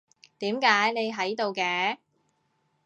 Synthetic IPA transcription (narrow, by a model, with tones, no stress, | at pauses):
t̪iː˨˥mkaː˨˥jne˨˧jɦɐ˨˥jt̪o˨wkɛː˧˥